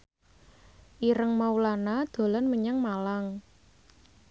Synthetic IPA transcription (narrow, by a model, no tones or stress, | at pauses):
ʔiɾəŋmaulanad̪̥o̤lɔnməɲaŋmalaŋ